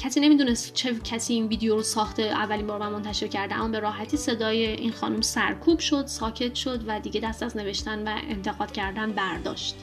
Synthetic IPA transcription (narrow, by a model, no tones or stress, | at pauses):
cʰæsiːnemiːd̪uːne̞st̪t͡ʃʰe̞cʰæsiːinviːd̪ejoɾosɒːxt̪e̞ʔæ̰vːælinmbɒːɾmæmːo̞nt̪ʰæʃe̞ɾcʰæɾd̪eæ̰mːɒːbe̞ɾɒːɦæt̪ʰiːse̞d̪ɒːjeʔinxɒ̰ːnumsæɾkʰuːb̥ʃo̞d̪̥sɒːcʰe̞t̪ʰʃo̞d̪væd̪iːɡɟe̞d̪æst̪æzne̞ve̞ʃt̪ænvæ̰ʔḛnt̪ʰe̞ɣɒːd̪̥cʰæɾd̪ænbæɾd̪ɒ̰ːʃt̪